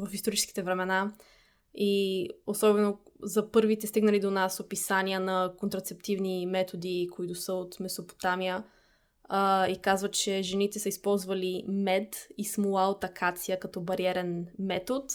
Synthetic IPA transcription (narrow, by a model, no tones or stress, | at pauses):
vəfist̪oɾit͡ʃɛ̥sk̟i̥t̪ɛvɾɛmɛna | iosɔbɛno | zɐpɤɾvit̪ɛst̪iɡnəlid̪onasopisaniənɐkont̪ɾɐt̪sɛp̚t̪ivnimɛt̪od̪ikoit̪ʊsəot̪mɛsopo̥t̪amijə | ikazvət͡ʃɛʒɛnit̪ɛsəispɔlˠzvəlimɛd̪ismolˠaot̪ɐkʰat̪sijəkɐt̪ɔbɐɾiɛɾɛnmɛt̪ot̪